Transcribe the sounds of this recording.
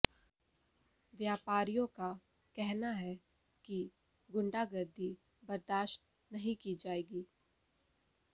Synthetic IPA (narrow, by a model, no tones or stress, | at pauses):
ʋjaːpaːɾijõka | kɛɦnaɦɛ | ki | ɡʊ̃ɳɖaɡɐɾd̪ʱi | bɐɾd̪aːʃʈ̚ | nɐɦĩkid͡ʒaːeːɡiː